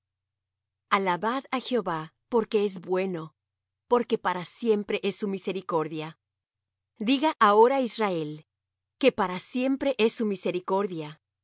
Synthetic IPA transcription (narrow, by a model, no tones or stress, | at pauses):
alaβaðaxeo̞βa | po̞ɾke̞ezbwe̞no̞ | po̞ɾke̞paɾasje̞mpɾe̞ʔesːumise̞ɾiko̞ɾðja | d̪iɣaʔao̞ɾaizrae̞l | ke̞paɾasje̞mpɾe̞ʔesːumise̞ɾiko̞ɾðja